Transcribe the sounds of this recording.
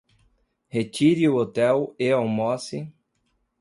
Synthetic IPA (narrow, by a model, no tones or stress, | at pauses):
het͡ʃiɾiʊot̪ɛweawmɔsɪ